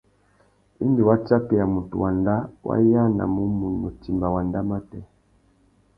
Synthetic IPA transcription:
i˦ndi˨wa˦t͡ʃa˦pɛ˨ja˨mu˨tṵ˨wa˨nda˦wʔa̰˦ja˦na̰˨mu˦mu˨nu˨ti˨mba˨wa˨nda˦ma˦tɛ˦˨

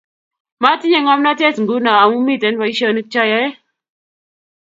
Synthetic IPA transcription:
ma˦ti˦ɲe˦˨ŋa˦mna˦te˦˨sŋɡu˦na˨a˨mu˦mi˦˨te˨˦nwa˨i˦ʃə˦˨ni˦t͡ʃa˦ja˦e˦

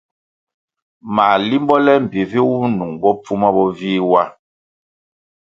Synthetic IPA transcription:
maː˨li˦mbɔ˦lɛ˦m̩˨bi˨vi˦wu˦nu˨ŋbɔ˦p͡fu˦ma˦bɔ˦viː˦wa˦

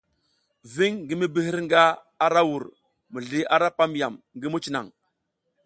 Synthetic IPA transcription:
vi˦ŋɡi˦mi˦bi˦ɦi˦ɾŋɡa˦ | a˦ɾa˦wu˨ɾ | mu˨ɮi˦ʔa˦ɾa˦pa˦m˦ja̰˨m | ŋɡi˦mu˦t͡ʃi˨na̰˨ŋ

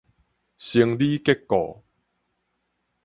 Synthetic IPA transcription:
ɕi˧əŋli˦ke˦˥kːɔ̰˨˩

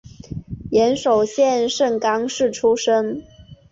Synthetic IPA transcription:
jɛ˧˥nʂo˨˩ʊɕjɛ˥˧nʂɤ˥˩ŋkɑ˥ŋʂɻ̩˥˩ʈ͡ʂʰu˥ʂə˥ŋ

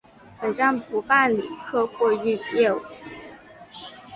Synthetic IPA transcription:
pe˨˩ʈ͡ʂɑ˥˩ŋpʰu˧˥fa˥˩nli˨˩kʰɤ˥˧kwɔ˥˧y˥˧jɛ˥˩u˨˩˦

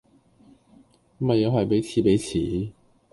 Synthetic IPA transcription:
mɐ˨jːɐ˨˧wɦɐ˨jpe˨˥jt͡sʰiː˨˧pe˨˥jt͡sʰiː˨˦

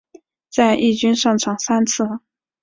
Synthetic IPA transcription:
t͡sa˥˧ɪʔi˥˩t͡ɕy˥nʂɑ˥˩ŋʈ͡ʂʰɑ˨˩ŋsa˥nt͡sʰɹ̩˥˩

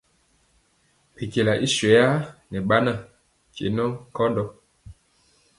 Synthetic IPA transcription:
pe˨ke˨la˨ʔi˦swɛ˨ja˦nɛ˨ɓa˦na˦˨ | kḛ˨nɔ˦ŋ˨kɔ˦ndɔ˦

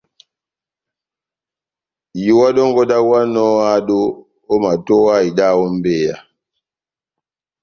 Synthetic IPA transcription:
ji˨wa˦ɗɔ˦ŋɡɔ˦da˦wa˦nɔ˦a˦ɗo˦ | o˦ma˨tɔ˦a˦i˨da˦˨ɔ˦m˦be˦˨ja̰˨

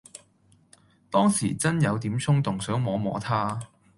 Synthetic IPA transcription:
t̪ɔː˥ŋsḭː˨˩t͡sɐ˥njɐ˨˧wt̪iː˨˥msʰʊ˥ŋt̪ʊ˨˩ŋsœː˨˥ŋmɔː˨˧mɔ̰ː˨˥t̪ʰaː˥

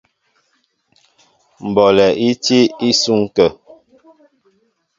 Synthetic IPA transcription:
m̩˨bɔ˨lɛ˨ʔi˦ti˦i˦su˦ŋ˦kə˨

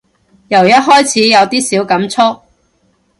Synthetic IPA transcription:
jɐ˨˩wjɐ˥t̚ɦɔː˥jt͡sʰiː˨˥jɐ˨˧wt̪iː˥siː˨˥wkɐ˨˥mt͡sʰɔ˥k̚

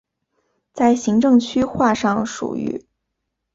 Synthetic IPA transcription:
t͡sa˥˩ɪɕi˧˥ŋʈ͡ʂɤ˥˧ŋt͡ɕʰy˥xwa˥˧ʂɑ˥˩ŋʂṵ˨˩y̰˧˥

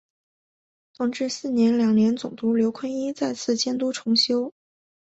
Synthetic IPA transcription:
t̪ʊ˥˩ŋʈ͡ʂɻ̩˥˧sɹ̩˥˩njɛ˧˥nljɑ˨˩ŋnjɛ˧˥nt͡sʊ˨˩ŋt̪u˧˥ljo˧˥ʊkʰwə˥ni˥t͡sa˥˧ɪt͡sʰɹ̩˥˩t͡ɕjɛ˥nt̪u˥ʈ͡ʂʰʊ˧˥ŋɕjo˥ʊ

